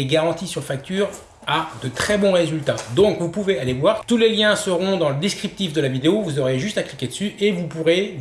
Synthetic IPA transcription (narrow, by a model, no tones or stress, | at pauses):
eɡaʁɑ̃t̪isyʁfak̚t̪yːʁ | ad̪ət̪χɛbɔ̃ʁezylt̪ad̪ɔ̃kvupuvealevwaʁt̪uleljɛ̃səʁɔ̃d̪ɑ̃ləd̪eskχip̚t̪ifd̪əlavid̪eovuzɔʁeʒyst̪aklikʲed̪əsyevupuʁe